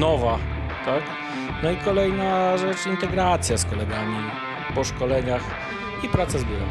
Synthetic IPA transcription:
nɔva | t̪ak | nɔikɔlɛjnaʐɛt͡ʂint̪ɛɡɾat̪sʲjaskɔlɛɡamʲi | pɔʂkɔlɛɲax | ipɾat̪sazbʲɛɾa̰

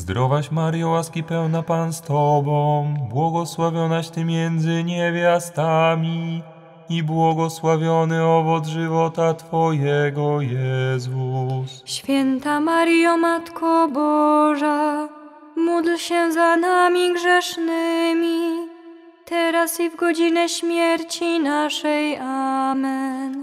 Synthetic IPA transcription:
zd̪ɾʔɔvaɕmaɾjawaskʲipɛwnapanst̪ɔbɔ̃bwɔɡɔswavʲjɔnaɕt̪ɘmʲjɛnd̪zɘɲevʲjast̪amʲi | ibwɔɡɔswavʲjɔnɘɔvɔd̪zʐɘvɔt̪at̪fɔjɛɡɔjɛzusɕfʲjɛnt̪amaɾjɔmat̪kʰɔbɔʐa | mud̪lɕɛzanamʲiɡʐɛʂnɘmʲi | t̪ɛɾasivɡɔd͡ʑinɛɕmʲjɛɾt͡ɕinaʂɛjamɛn

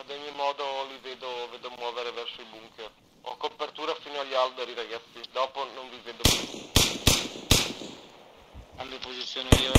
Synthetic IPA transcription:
ad̪oɲːimɔːd̪oliveːd̪oveːd̪omwɔːveɾevɛrsoibuŋkʰer | ɔ̰kːopert̪uːɾafiːnoaʎalb̪eɾiɾaɡat̪sːid̪ɔːponoɱviveːd̪opaj | amiapozit̪sːjoːnei

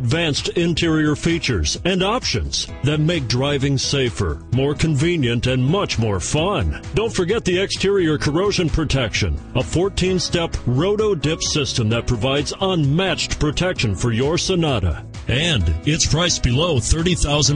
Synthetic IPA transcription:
ɨdvæ̃nstɪ̃ntʰɪɹiə˞fit͡ʃə̰˞zɨ̃ndɑpʃɨ̰̃nz̥ | ðɨt̚meɪk̚dɹaɪvɪ̃ŋseɪfə̰˞mɔɹkʰɨ̃ɱvĩnjɨ̃ntɨ̃nmʌt͡ʃmɔɹfʌ̃nd̥õʊ̃ntfə˞ɡɛt̪̚ðiɛkstʰɪɹiə˞kʰə˞oʊʒɨ̃npʰɹ̥ɨtʰɛkʃɨ̰̃nəfɔɹtʰĩnstɛpɹoʊɾoʊdɪpsɪstə̃mðɨt̚pʰɹ̥ɨvaɪdzə̃nmæt͡ʃtpʰɹ̥ɨtʰɛkʃɨ̃nfə˞jə˞sənɑɾə̰ | ɨ̃ndɪtspʰɹ̥aɪsb̥ɨloʊθɜ˞ɾiθaʊzɨ̃n

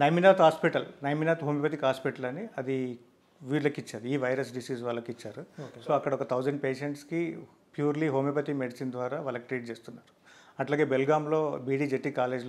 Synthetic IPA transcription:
nɐjminaːt̪ɦaːspiʈɐlnɐjminaːt̪ɦoːmipɐt̪̬ikɦaːspiʈɐlɐniɐd̪i | ʋiːɽlɐkit͡ʃːaːɾiiːʋɐjɾɐs̬ɖisiːsʋaːlːɐkit͡ʃːaːɾusoːɐkːɐɽɐɔkɐt̪ʰɐwd͡ʒɐɳɖ̚peːʂeɳʈski | pjuːɾliɦoːmipɐt̪imeɽisind̪ʋaːɾaːʋaːlːɐkiʈɾiːʈ̚t͡ʃeːst̪unːaːɾu̥ɐʈlaːɡe̞ːbelɡaːmlo̞ːbiːɽiːd͡ʒeʈːikaːle̞ːd͡ʒl

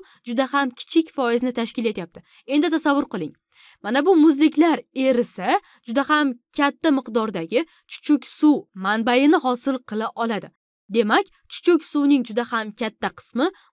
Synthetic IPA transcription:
d͡ʒʊd̪ahamkʲʰɪ̥t͡ʃʰɪkʲfɒjɪzɪnɪt̪ʰaʃkʲɪle̞t̪jap̚t̪ɪ | e̞nd̪ɪt̪ʰasavːʊɾqɨlˠɪŋ | manabʊmʊzlɪkʲlaɾe̞ɾɪsa | d͡ʒʊd̪ahamkʲʰat̪ːamɨqd̪ɒɾd̪aɡʲɪ | t͡ʃʰʊ̥t͡ʃʰʊkʲsʊmanbajɪnɪɦɒsɪlˠqʰɨlˠaʔɒlˠad̪ɪ | d̪e̞makʲ | t͡ʃʰʊ̥t͡ʃʰʊkʲsuwnɪŋd͡ʒʊd̪ahamkʲʰat̪ʰːaqʰɨ̥smɪ

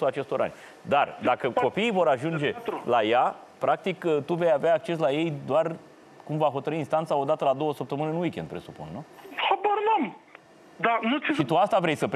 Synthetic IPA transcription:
uat͡ʃe̞st̪o̞ɾʔa̰nʲ | d̪ard̪akəko̞piːvo̞ɾaʒund͡ʒe̞laja | pɾak̚t̪ikt̪uve̞javeaːk̚t͡ʃe̞s̬laje̞jd̪oar | kumvaɦo̞t̪əɾɨinst̪ant̪sao̞d̪at̪əlad̪o̞wəsəp̚t̪əmɨneɨnwikʲe̞nd̪̚pɾe̞supṵnːuhaboɾnəm | d̪anut̪ʃit̪uast̪avɾejsəp

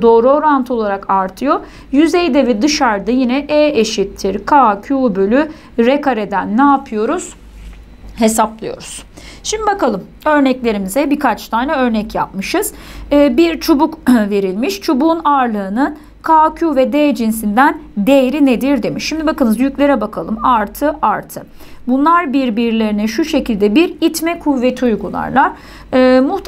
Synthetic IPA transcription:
d̪o̞ːɾuo̞ɾant̪ʰɯolˠaɾakʰaɾt̪ʰɯjo̞ | jyzejd̪evɛd̪ɯʃaɾd̪ajinɛʔɛːeʃit̪ʰːiɾkʰaːcʰuːbølʲy | ɾekʰaɾe̞d̪ænːaːpʰɯjo̞ɾuz̥ | he̞saplˠɯjo̞̰ɾuz̥ʃimd̪ibakalˠɯm | ø̞ɾnɛclʲe̞ɾimizɛbikʰat͡ʃt̪ʰaːnɛø̞ɾnɛcja̰p̚mɯʃɯz̥ː | biɾt͡ʃʰobukve̞ɾilʲmiʃt͡ʃʰobuːnaɾlˠɯɯnɯn | kʰaːcʰuvɛd̪eːd͡ʒinsind̪ænd̪ejɾined̪iɾd̪e̞miʃːimd̪ibakɯnɯzjyclʲe̞ɾɛbakʰalˠɯmaɾt̪ʰɯʔaɾt̪ʰɯ | bunlˠaɾbiɾbiɾlʲe̞ɾinɛʃuʃe̞cilʲd̪ɛbiɾit̪mɛkʰuvːet̪ʰujɡulˠa̰ɾlˠaɾ̥ | ɯːmuht̪

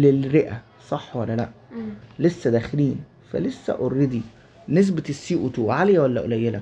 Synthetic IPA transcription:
lelɾeʔæ | sˤɑħːwælːælæʔlesːæd̪æːxeliːn | fæ̰lesːæ̰ʔorːed̪i | nes̬besːiːʔut̪uːʕalejæwælːæʔo̰læjːelæ

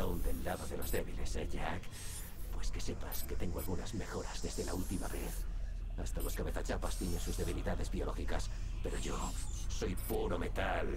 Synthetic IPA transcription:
aund̪e̞lːaðoðe̞lo̞zðe̞βile̞seʝak | pwe̞ske̞se̞paske̞t̪e̞ŋɡoalɣunazme̞xo̞ɾazðe̞zðe̞lault̪imaβe̞θ | ast̪alo̞skaβe̞θat͡ʃapast̪jenensuzðe̞β̞iliðaðe̞zbio̞lo̞xikas | pe̞ɾo̞ʝo̞so̞jpuɾo̞me̞t̪al

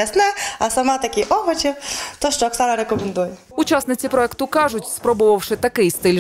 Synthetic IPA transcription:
ɐsnaɐsɐmat̪ɐkʲiʔɔʋɔt͡ʃiwt̪ɔʃt͡ʃɔɐksanɐɾekɔmend̪ujɛ | ʊt͡ʃasnɪt͡sʲipɾɔɛkt̪ʊkɑʐʊtʲspɾɔbɔʋɐwʂɪt̪ɐkɪjst̪ɪlʲ

